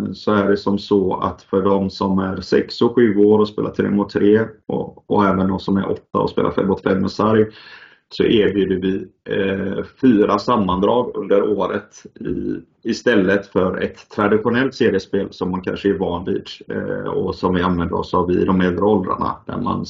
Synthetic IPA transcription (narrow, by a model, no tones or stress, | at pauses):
sɔæɖɛsɔmsɔa̰t̪fœɖɔmsɔmæɾsɛ̰ksɔɧʉ̟ːoːɾɔspḛːlat̪ʰɾḛːmʊt̪ʰːɾeːɔɔɛːvənd̪ɔmsɔmæ̰ɾʔɔ̰t̪ːaɔ̰spḛːla̰ɾfɛ̰mːɔt̪ːfɛmːɛsaɾj | sɔ̰ʔeːɾbjʉːd̪əɾvɪ | fyːɾasamːand̪ɾɑːɡɵ̰nd̪əɾoːɾət̪ɪ̰ | ɪst̪ɛlːət̪fœɾɛ̰t̪ʰːɾad̪ɪɧʊnɛlt̪seːɾɪəspeːlsɔmːankʰa̰nʂəæɾvɑːnviːd̪ | ɔsɔmvɪanvɛnd̪əɾɔ̰savɪd̪ɔmɛld̪ɾəɔld̪ɾa̰ɳa̰d̪æ̰ɾma̰n